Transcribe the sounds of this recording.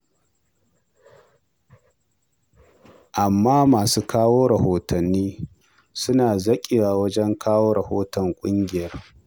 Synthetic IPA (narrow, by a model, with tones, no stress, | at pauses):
ʔa˨mːaː˦maː˨suː˦kaː˦woː˦ɽɐ˨hoː˨tɐ˨nːiː˦ | sʊ˦naː˨zɐ˦kʲʼɪ˨waː˨wɐ˦d͡ʒɛ˦ŋkʰaː˦woː˦ɽɐ˨hoː˦tɔ˨ŋkʷʼʊ˦ŋɡʲɪ˨jɐ˦r